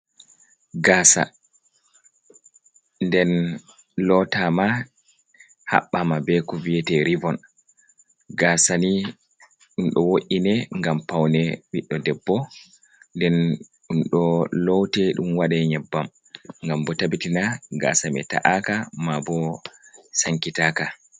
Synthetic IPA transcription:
ɡaːsa̰ | ndɛn | lɔtama | ha̰ɓːamabɛkɔvijɛtɛɾivɔn | ɡasani | ɗumɗɔwoʔinɛŋɡampawnɛɓiɗːɔdɛbːɔ | ndɛn | ɗunɗɔlɔwtɛɗumwaɗɛɲɛbːam | ŋɡambɔtabitinaɡa̰samɛ̰ta̰ʔakamabɔ | saŋkitaːka

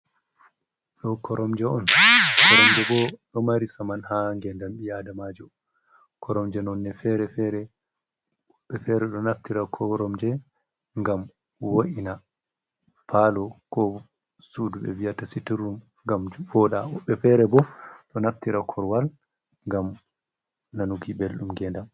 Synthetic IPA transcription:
ɗɔkɔɾɔmd͡ʒɛɔnkɔɾɔmd͡ʒɛbɔɗɔmaɾisamanhaŋɡɛndamɓijadamad͡ʒɔ | kʰɔɾɔmd͡ʒɛnɔnːɛfɛɾɛfɛɾɛ | ɔɓːɛfɛɾɛɗɔnaftiɾakʰɔɾɔmd͡ʒɛ | ŋɡam | woʔina | falɔkɔ | suduɓɛ̰vijatasitiɾum | ŋɡamvɔɗaɔɓːɛfɛɾɛbɔɗɔnaftiɾakʰɔɾwal | ŋɡam | nanuɡibelɗumɡɛnda

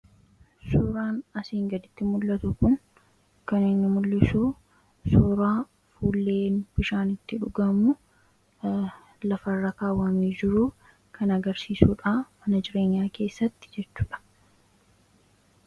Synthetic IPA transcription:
suːɾaːnɐsiːŋɡɐd̪ɪt̪ːɪmʊlːɐt̪ʊkʊŋ | kɐnɪnːɪmʊlːɪsuː | suːɾaː | fuːlːe̞ːnb̥ɪʃaːnɪt̪ːɪᶑʊɡɐmʊ | lɐfɐrːɐkaːwːɐmiːd͡ʒɪɾuː | kʰɐnɐɡɐɾsiːsuːᶑaːmɐnɐd͡ʒɪɾe̞ːɲːaːke̞ːsːɐt̪ːɪ̥d͡ʒɛt͡ʃːu̥ːᶑɐ̥

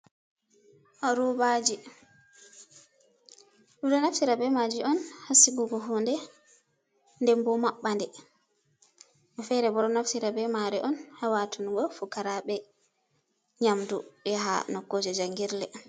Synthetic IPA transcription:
ʔɔɾɔbad͡ʒi | budɔnaftiɾabɛmad͡ʒiɔnhasiɡuɡɔɦundɛ | ndɛmbɔmaɓːandɛ | ʔɛfɛɾɛbɔɾɔnaftiɾabɛmaɾɛʔɔnhawatʰunɡɔfukaɾaɓɛ | ɲamduɓɛɦa̰nɔkːod͡ʒɛd͡ʒaŋɡiɾlɛ

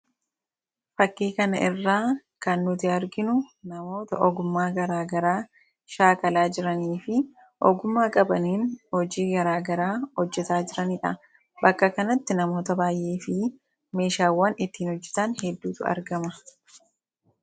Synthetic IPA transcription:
fɐkːiːkɐnɐʔɪrːaːkɐnːʊt̪ɪɐɾɡɪnʊnɐmo̞ːt̪ɐʔɔɡʊmːaːɡɐɾaːɡɐɾaː | ʃaːkɐlaːd͡ʒɪɾɐniːfɪ | ʔɔɡʊmːaːkʼɐbɐniːnhɔd͡ʒiːɡɐɾaːɡɐɾaːhɔd͡ʒːɛt̪aːd͡ʒɪɾɐniːᶑɐ̰ | bɐkːɐkɐnɐt̪ːɪnɐmo̞ːt̪ɐbaːjʔeːfɪ | me̞ːʃaːwːɐnɪt̪ːiːnɔd͡ʒːɛ̥t̪ɐnhɛd̪ːuːt̪ʊɐ̰ɾɡɐmɐ

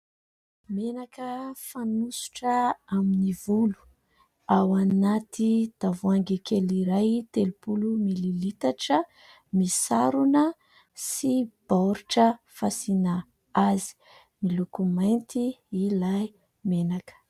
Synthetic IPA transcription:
menakəfanusu̥ʈ͡ʂəaminivulu̥ | awanat̪ʰid̪̥avuaŋɡikeliɾajt̪elupulumililit̪aʈ͡ʂə | misaɾunə | sib̥awɾiʈ͡ʂə | fasina | azi̥ | milukumajnt̪iilaj | menakə̥

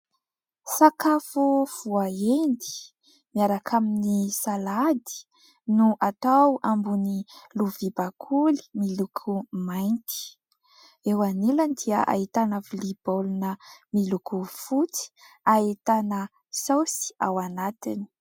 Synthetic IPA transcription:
sakafuv̥uaend̪i̥ | miaɾakʰaminisalad̪i̥ | nuʔat̪awambuniluvibakʰuli̥milukʰumajnt̪i̥ | ewaniland̪iəʔa̰it̪anəvilib̥olunəmilukufut͡si̥ | ait̪anə | sawsi̥awanat̪ini̥

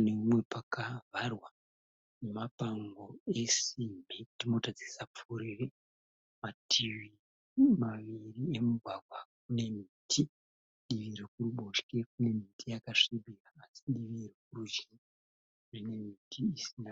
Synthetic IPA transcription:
nemwe̞pakavʱarwa | nemapaŋɡo̞e̞simitimo̞tad͡zisap͡fuɾire | matʰiwi | maʋiriemuɡʱwaɡʱwak̚une̞mitʰi | ɗiʋiɾekuruɓo̞ʃke̞k̚une̞mitʰijakaʂibiraːsiɗiʋirek̚urud͡ʒi | rine̞mitʰiːsina

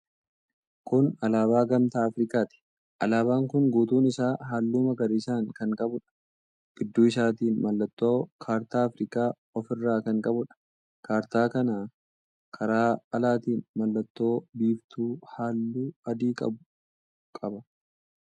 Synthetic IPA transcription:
kʊnɐlaːbaːɡɐmt̪aːɐfɾɪkaːt̪ɪ̥ | ʔɐlaːbaːŋkʊŋɡuːt̪uːnɪsaːɦaːlːuːmɐɡɐɾɪɪsaːŋkɐŋkʼɐbʊᶑɐ̥ | ɡ̥ɪd̪ːuːɪs̬aːt̪iːnmɐlːɐt̪ːoːkʰaːɾt̪aːɐfɾɪːkaː | ɔfɪrːaːkɐŋkʼɐbʊᶑɐ̥ | kʰaːɾt̪aːkɐnaː | kʰɐɾaːɐlaːt̪iːnmɐlːɐt̪ːo̞ːbiːbt̪uːhaːlːuːɐd̪iːkʼɐ̰bʊ | kʼɐbɐ

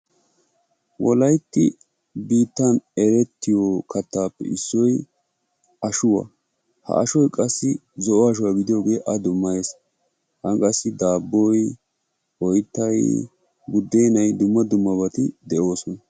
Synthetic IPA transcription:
wɔlɐjt̪ːɪ̰ | biːt̪ːɐnɛɾɛt̪ːɪjoːkʰɐt̪ːaːpːɛ̰ɪsːɔj | ɐʃʊwɐ̰ | hɐ̰ʔɐʃɔjkʼɐsːɪ | zɔʔɔɐʃ̬ʊwaːɡɪd̪ɪjo̞ːɡe̞ːʔɐd̪ʊmːɐjes | hɐŋkʼɐsːɪd̪aːbːɔj | ɔjt̪ːɐj | bʊd̪ːejnɐjd̪ʊmːɐd̪ʊmːɐbɐt̪ɪd̪ɛo̞ːsɔnɐ

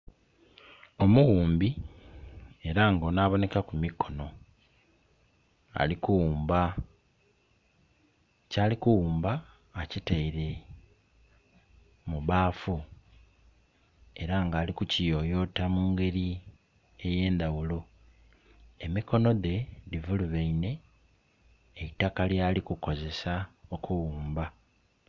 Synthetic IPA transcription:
o̞muɣuːmbi | e̞ɾaŋɡonaːβo̞ne̞kakumikʰo̞no̞ | a̰likuwuːmba | caːlikuwuːmbaː | citaiɾe̞ | muβaːfu | e̞ɾaŋɡaːlikucijo̞jo̞ːtamuːŋɡe̞ɾi | e̞je̞ːnd̪awulo̞ | emiko̞no̞ðe̞divuluβeine̞ | itːakaljaːlikuko̞ze̞sao̞kʰuwuːmba

